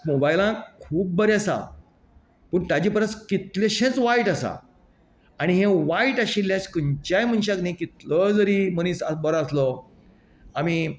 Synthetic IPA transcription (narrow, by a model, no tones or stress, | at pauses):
mobajlãkʰuːp̚bəɾeasa̰ | pəːɳʈ̪ad͡ʑiːpəɾət͡skit̪leɕẽt͡sʋaiʈasa̰ | aɽ̃iɦẽʋaiʈaɕilːjaskənt͡ɕajm̤ənɕ̬aknĩkit̪ləd͡zəɾiməniːsabɔɾaslɔ | amiː